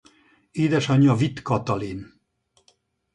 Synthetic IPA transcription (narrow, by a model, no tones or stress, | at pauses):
eːd̪ɛʃɒɲːɒvit̪kɒt̪ɒlin